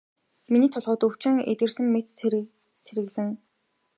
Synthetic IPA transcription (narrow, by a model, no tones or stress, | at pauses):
miniːt̪ʰʊɮʁʊːt̪ɵw̥t͡ɕɪ̆ŋḛt̪ɘ̆rsɘ̆ŋːet̪ | seɾɘ̆ɣɮɘ̆ŋ